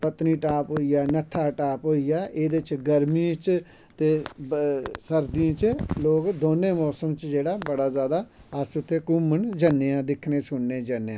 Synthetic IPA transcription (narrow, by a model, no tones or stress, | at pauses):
pət̪niːʈaːpɦoːijaːnət̪ʰːaːʈaːpɦoːijaːʔeːd̪et͡ʃɡəɾmĩt͡ʃ | t̪eː | səɾd̪iãːt͡ʃloːkd̪oːneːmɔːsəmt͡ʃd͡ʒeːɽaːbəɽaːzjaːd̪aːəsʊt̪ʰːeːkʊmənd͡ʒənːeãːd̪ɪkʰneːsʊnːẽːd͡ʒəneːãː